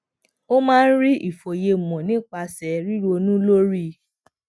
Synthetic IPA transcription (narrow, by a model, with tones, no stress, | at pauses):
o˦mãː˦˧n̩˦ɾi˦i˦˨fo˨je˧˨mɔ̃˨nĩ˦k͡pa˧sɛ˨ɾi˦ɾo˧nũ˦lo˦ɾi˦